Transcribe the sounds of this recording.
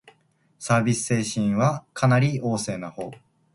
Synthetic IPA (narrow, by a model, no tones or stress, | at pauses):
saːbʲisɨ̥se̞ːɕĩɰ̃βakʰanaɾʲio̞ːse̞ːnaho̞̰ː